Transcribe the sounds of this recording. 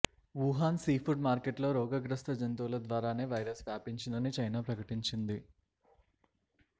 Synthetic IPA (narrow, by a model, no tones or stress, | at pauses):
ʋuɦaːnsiːpʰuɖmaːɾkeʈlo̞ːɾɔːɡɐɡɾɐst̪ɐd͡ʒɐnt̪uːlɐd̪ʋaːɾaːne̞ːʋɐjɾɐsʋaːpiɲt͡ʃind̪ɐnit͡ʃɐjnaːpɾɐkɐʈiɲt͡ʃind̪i